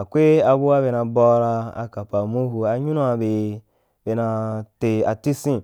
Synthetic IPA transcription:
a˨kʷe˦a˧bu˦wa˦be˧na˧bɔ˧ɾa˧a̰˨ka˨pa˨mu˦ɦu˧a˨ɲu˦nu˦a˧be˨ | be˧na˧te˧a˨ti˦sĩ˦

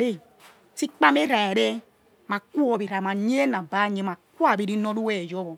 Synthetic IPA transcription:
ɾe˦˨ | si˦k͡pa˦me˦ɾa˨e˨ɾe˦ | ma˨ku˦ɔ˨bi˨ɾa˨ma˨ɲ˦e˦na˨ba˦ɲe˦ma˨ku˦a˦˨bi˦ɾi˦no˦ɾu˦we˦e˨d͡ʒɔ˦bo˨

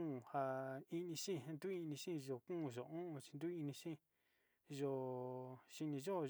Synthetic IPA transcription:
ha˧i˧nĩ˧ʃĩ˦˧ɦnd̪u˦i˧nĩ˧ʃĩ˦˧ʒo˨kũ˦˧˨ʒo˨ũ˦ʔũ˧t͡ʃi̥˧nd̪u˦i˧nĩ˧ʃĩ˦˨ | ʒo˧ | ʃi˧nĩ˧ʒo˦˧

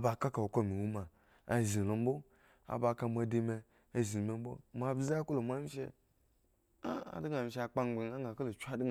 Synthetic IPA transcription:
ba˧ka˦ka˨wo˨ko˦mi˨wu˦ma˨ | a˨zi˨lo˨m̩˦bo˦ | a̰˨ba˧ka˧mʷa˧de˧me˧ | a˨zi˨me˨m̩˦bo̰˦mʷ˨a˧˦bza˦ko˦lo˨mʷ˦a˦mi˦ʃḛ˧ | a˦a̰˨di˦ŋa˨mi˨ʃa˧k͡pa˧ŋ͡mɡ͡be˨ŋa˦ŋ˦ɡa˨ko˦lo˨t͡ʃu˦a˦d

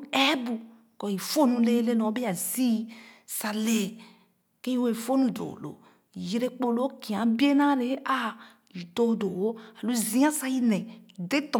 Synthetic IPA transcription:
ɛ˦bu˨ | kɔ˨i˨fo˦nũ˧le˦le˦nɔ̃˨˦be˦a˨zi˦sa˨le˨ | ke˦ĩ˦we˨fo˦nũ˨do̰˨lo̰˨ | ji˨ɾe˦k͡po˦lo˦ki˨ã˨˦bi˦e˦nã˦ɾe˨˦a˦ | i˨to˦do˨wo˦a˨lu˦zĩ˦ã˦sa˦ji˦nɛ̃˨i˨de˦t̪ɔ̃˨

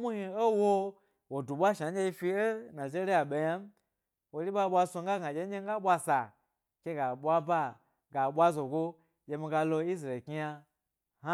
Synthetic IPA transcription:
mu˦hi˧o˦wo˧ | wo˨du˨ɓʷa˦ʃa˨ɲʲ˦e˧i˧fi˧e˦na˨ze˦ɾi˦ja˨ɓe˧ja˦m˦ | wo˨li˦ɓa˦ɓʷa˧so˧ŋ̩˦ɡa˦ɡa˨d͡ʒʲe˧˦e˦ŋ˦ɡa˦ɓʷa˧sa˨ | kʲe˦ɡa˨ɓʷa˦ba˦ | ɡa˨ɓʷa˦zo˨ɡo˦ | jʲe˧mi˧ɡa˧lo˧i˦s̬ɾe˨ki˧˦ja˧ | ha˦

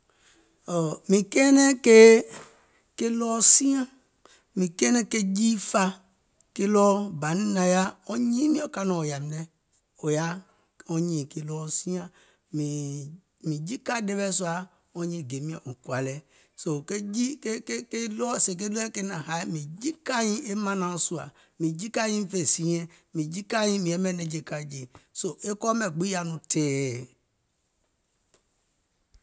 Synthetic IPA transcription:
ɔ˨mĩ˨kɛ˦nɛ̃˦ke˦ | ke˦lɔ˦sĩ˦ã˦ | mĩ˨kɛ˦nɛ̃˦ke˦d͡ʒi˦fa˦ | ke˦lɔ˦ba˨nĩ˦nã˨ja˦ɔ˦ɲĩ˦mĩ˦ɔ˦ka˦nɔ̃˨o˨ja˨mĩ˨nɛ˨ | o˨ja˦ | ɔ˦ɲĩ˨ke˨lɔ˦sĩ˦ã˦ | mĩ˨ | mĩ˨d͡ʒi˦ka˦de˦bɛ˦so˦a˨ | ɔ̃˦ɲĩ˦˨ɡe˨mĩ˦ã˨ũ˨kwa˨lɛ˨ | so˨ke˦d͡ʒi˦ke˦ke˦ke˦lɔ˦se˨k̬e˦lu˦ɛ˦ke˦nã˨ɦa˨˦mĩ˨d͡ʒi˦ka˦ɲĩ˦ʔe˦mã˦nã˨o˦su˦a̰˨ | mĩ˨d͡ʒi˦ka˦ɲĩ˦fe˨sĩ˦ɲɛ̃˦mĩ˨d͡ʒi˦ka˦ɲĩ˦mĩ˨ɛ˨˦mɛ̃˦nɛ̃˨d͡ʒe˨ka˦d͡ʒi˨so˨ʔe˦kɔ˦mɛ̃˨ɡ͡bi˦a˦nũ˨tʰeː˨

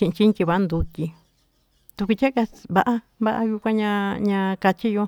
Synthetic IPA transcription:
ĩ˧ʔĩ˧t͡ʃi˦kʲi˧βa˧ʔa˦nd̪u˧tʲi˧ | t̪u˧ku˧t͡ʃʲa˦ka˧βa˧ʔa˧ | βa˦ʔa˧ju˧kʷã˧ɲã˧ɲã˧ka˧t͡ʃi˦jo˧

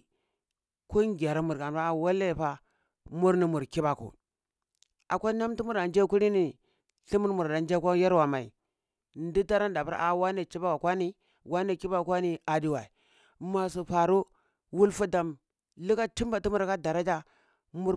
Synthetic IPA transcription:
ku˦ŋɡʲa˨ɾa˦mu˨ɾka˨pa˦˨wa˦le˦˨ɸa˦ | mu˦ɾni˨mu˨ɾki˦ba˨kṵ˨ | a̰˨kʷa˦na˦mti˦mu˦ɾa˨nd͡ʒe˦ku˦ɾi˦ni˨ | ɬi˦mu˦ɾmu˨ɾda˨n˦d͡ʒa˦kʷa˦ja˦ɾwa˨ma˨ḭ˨ | n˦di˦ta˦ɾa˦n˦da˨pu˦ɾʔa˨wa˦ni˨t͡ʃi˦ba˦ka˨kʷa˦ni˦ | wa˦ni˦ki˦ba˦kʷa˦ni˦a˨di˦wa˨i˨ | ma˨s̬u˨ɸa˨ɾu˦ | wu˦lfu˦da˨m | lu˦ka˦ti˦mba˨ti˦mu˦ɾka˦da˨ɾa˦d͡ʒa˦ | mu˦ɾ

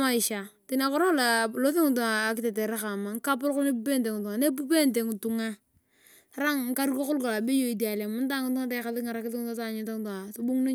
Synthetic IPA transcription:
ma˦i˨ʃa˨ti˨na˨kɔ˦ɾo˦la˨lo˦θe˦ŋu˨t̬u˨ŋaː˨kɪ˦te˨te˨ɾa˦ka˨ma˨ŋ̩˦ka˦pʊ˦ɾkʊ˦ne˦pu˦pe˦nte˨ŋ˨tu˨ŋa˨ne˦p̬u˦pe˦nte˨ŋ˨tu˨ŋa˦ | ta˨ɾa˦ŋŋ̩˦ka˦ɾko˦kʊ˦lka˨la˨be˦jo˦˨i˨di˨a˨le˨mʊ˦n˦ta˦ŋʊ˦tu˦ŋa˦ta˦ka˨lɪ˦ŋa˨ɾa˦kɪ˦ɪ˦ŋ˦ta˦ta˦˨ɲi˨ta˦ŋ˦tu˨ŋa˨so˨˦bu˦ŋnu˦

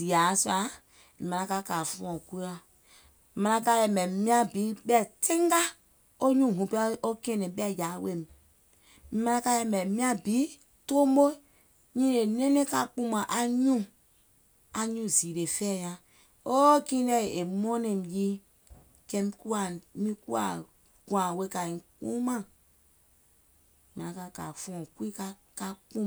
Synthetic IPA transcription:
z̥i˨a˨˦sa˨˦ | i˨mã˨ã˧˦ka˦ka˨fũ˦ɔ̃˨ku˦a˦˨ | mã˧nã˧ka˦jɛ˨mɛ˨mĩ˦ã˦bi˨˦ɓɛ˦˨tẽ˦ŋ˦ɡa˦ | o˦ɲũ˦˨ɦũ˨po˦kẽ˦nẽ˨ɓɛ˦˨ja˨˦we˦˨m˨ | mi˦mã˧nã˦ka˦jɛ˧mɛ˨mĩ˦ã˦bi˨˦ | to˦mo˦ | ɲĩ˦ne˨nẽ˦nẽ˦ka˦˨k͡pũ˦mã˨ʔa˨˦ɲũ˦ | a˨ɲũ˦˨zi˨ɾe˨fɛ˦˨jã˨ | o˦kĩ˦nɛ˦˨e˨mɔ̃˦nẽ˨m˨ji˦ | kɛ˦mi˦ku˦a˨mĩ˦ku˦a̰˨ | ɡ̥ã˨we˦ka˨ĩ˨k͡pṵ̃˦mã˦˨ | mi˨a˨ka˦ka̰˨fɔ̃˦˨kwi˦ka˦ | ka˦k͡pũ˦

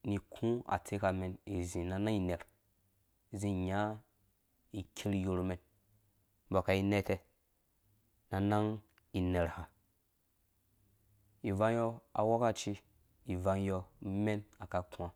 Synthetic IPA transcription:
ni˨kʰũ˦a̰˨tʰe˦ka˨me˨ni˨zĩ˨na˨na˦ŋi˨ne˨ɾ | zĩ˦˨ɲa˦ | i˨kʲʰe˦ɾi˦jo˧ɾme˨n˦ | ba˨ka˨i˦ne˦te˦ | na˨na˦ŋ | i˨ne˨ɾha˨ | i˨va˦n˦jɔ˦a̰˨wo˦ka˦t͡ʃi˦ | i˨va˨n˦jɔ˦me˦na˨ka˨ku˦a˨

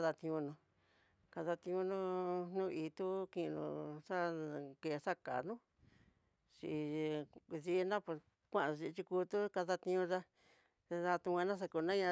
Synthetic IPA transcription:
ða˧t̪ĩ˧ũ˧nũ˧ | ka˧ða˧t̪ĩ˧ũ˧nũ˦˧n̥nũ˦˧i˧t̪u˦kĩ˧nṵ̃˧ʂa˦ke˧˨˧ʂa˦ka̰˨nũ˦ | t͡ʃi˧ði˧nã˦pe˧ | kʷã˦˧˨a˧t͡ʃi˧t͡ʃi˧ku˧t̪u˦ka˧ða˧t̪ĩ˧ũ˧ʐa˦ | e˧a˧t̪ũ˧kʷã˧nã˦ʂ̬a˧ku˧nã˦ɲã˧

